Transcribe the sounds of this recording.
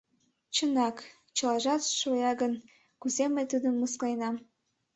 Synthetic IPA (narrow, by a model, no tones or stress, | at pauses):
t͡ɕənɑk | t͡ɕəlɑʒɑt̪ʃojɑɡən | kuzeməjt̪ud̪əmːuskɑjnɑm